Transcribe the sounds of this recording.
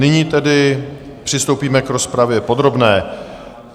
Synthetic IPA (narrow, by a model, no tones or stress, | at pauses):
nɪɲiːt̪ɛdɪ | pr̝̥ɪst̪owpiːmɛkɾo̞spɾavjɛpo̞d̪ɾo̞bnɛː